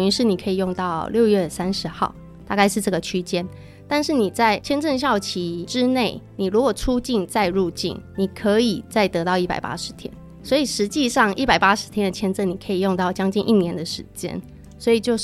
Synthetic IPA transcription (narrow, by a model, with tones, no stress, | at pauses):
y˧˥nʂɻ̩˥˩ni˨˩kʰɤ˧˥i˨˩jo˥˧ŋt̪ɑ˥˧ʊljo˥˧ʊɥɛ˥˩sa˥nʂɻ̩˧˥xɑ˥˩ʊ | t̪a˥˧ka˥˧ɪʂɻ̩˥˧ʈ͡ʂɤ˥˩ɡə˩t͡ɕʰy˥t͡ɕjɛ˥n | t̪a˥˧nʂɻ̩˥˩ni˨˩t͡sa˥˩ɪt͡ɕʰjɛ˥nʈ͡ʂə˥˧nɕ̬jɑ˥˩ʊt͡ɕʰi˧˥ʈ͡ʂɻ̩˥ne˥˩ɪni˨˩ɻu˧˥kwɔ˨˩ʈ͡ʂʰu˥t͡ɕi˥˧nt͡sa˥˧ɪɻu˥˧t͡ɕḭ˥˩nni˨˩kʰɤ˧˥i˨˩t͡sa˥˩ɪt̪ɤ˧˥t̪ɑ˥˧ʊi˥˩pa̰˨˩ɪpa̰˥ʂɻ̩˧˥˦t̪ʰjɛ̰˥n | swɔ˧˥i˨˩ʂɻ̩˧˥t͡ɕi˥˧ʂɑ˥˧ŋi˥˩pa˨˩ɪpa˥ʂɻ̩˧˥t̪ʰjɛ˥nd̪ə˨˩t͡ɕʰjɛ˥nt͡sə˥˩ni˨˩kʰə˧˥i˨˩jo˥˧ŋt̪ɑ˥˩ʊt͡ɕjɑ˥ŋt͡ɕi˥˧nʔi˥˩njɛ˧˥nd̪ə˨ʂɻ̩˧˥t͡ɕjɛ̰˥n | swɔ˧˥i˨˩t͡ɕjo˥˧ʊ